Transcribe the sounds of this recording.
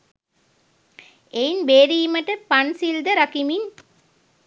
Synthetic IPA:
einbeːɾiːməʈəpansild̪əɾakimin

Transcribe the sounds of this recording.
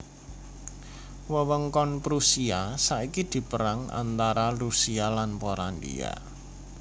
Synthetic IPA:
wəwəŋkɔnpɾusiasaʔikid̪̥i̤pəɾaŋa̰nt̪aɾarusialanpoɾand̪ḭa̰

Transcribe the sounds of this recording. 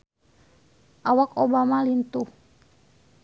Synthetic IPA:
ʔawakobamalint̪uh

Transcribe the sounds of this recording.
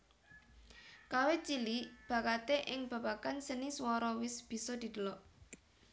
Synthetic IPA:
kawet͡ʃilib̥ä̤kat̪eʔɪŋb̥ä̤pakansəniswɔɾɔwɪsb̥i̤sɔd̪̥i̤d̪̥ə̤lɔʔ

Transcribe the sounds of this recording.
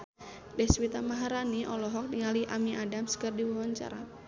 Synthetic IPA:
dɛhswit̪amaɦaɾaniʔɔlɔɦɔk̚diŋaliʔamiʔadamsə̥kərdiwawaɲt͡ʃa̰ɾa

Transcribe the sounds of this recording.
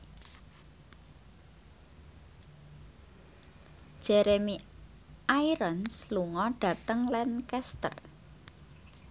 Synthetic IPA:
d̥ʒ̥eɾemi | ʔaiɾənsluŋɔɖ̥ä̤t̪əŋlɛnkɛst̪ə̰r

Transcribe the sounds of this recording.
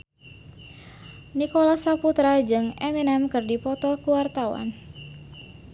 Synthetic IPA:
nikɔlasaput̪ɾad͡ʒɨŋɛminɛmkɨrdipɔt̪ɔkuwart̪awa̰n

